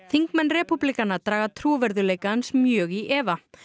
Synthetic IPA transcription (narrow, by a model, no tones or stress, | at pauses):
θiŋkmɛnːrɛpuplikanːaɾt̪ɾaːɣat̪ʰɾuːvɛɾðʏleːjkaansmjœːɣiʔɛːva